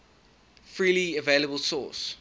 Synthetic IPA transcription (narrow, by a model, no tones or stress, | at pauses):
fɹiːliəveɪləbəlˠsɔ̰ːˑs